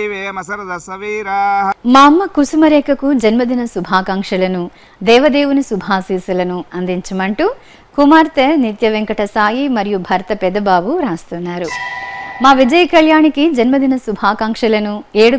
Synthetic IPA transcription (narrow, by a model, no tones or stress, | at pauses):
ʋeːmɐsɐɾɐd̪ɐsɐʋiːɾaːɦmaːmːɐkusumɐɾeːkɐkud͡ʒɐnmɐd̪inɐsubʱaːkaːŋkʂɐlɐnu | d̪ɛːʋɐd̪eːʋunusubʱaːsiːsɐlɐnuɐnd̪iɲt͡ʃɐmɐɳʈu | kumaːɾt̪ɐnit̪jɐʋeŋkɐʈʰɐsaːjimɐɾijubʱɐɾt̪ɐpɛd̪ɐbaːʋuɾaːst̪ɐnːaːɾu | maːʋid͡ʒɐjɐkɐɭjaːɳikid͡ʒɐnmɐd̪ʱinɐsubʱaːkaːŋkʂɐlɐnueːɽu